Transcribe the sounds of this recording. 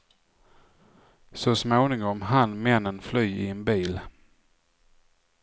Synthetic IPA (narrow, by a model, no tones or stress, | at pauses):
sɔsmoːnɪŋɔmɦanmɛnːənflyːɪɛnbiːl